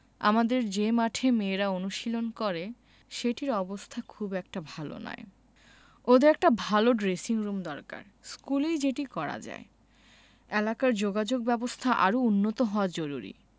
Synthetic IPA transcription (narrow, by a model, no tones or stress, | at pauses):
a̰mad̪eɾd͡ʑemaʈʰemeːɾaonuʃilonkɔɾe | ʃeʈiɾɔbost̪ʰakʰubɛk̚ʈabʱalo̰na̰e | od̪eɾɛk̚ʈabʱaloɖɾesiŋɾumd̪ɔɾka̰ɾ | skulejd͡ʑeʈikɔɾa̰d͡ʑa̰e | elakaɾd͡ʑoɡad͡ʑoɡ̚bɛbost̪ʰaʔa̰ɾounːot̪oɦɔoad͡ʑoɾṵɾḭ